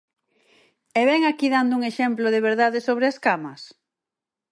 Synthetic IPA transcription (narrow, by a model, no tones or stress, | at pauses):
eβɛŋakiðand̪ʊuŋeʃɛmploðeβeɾðaðesoβɾeaskamɐs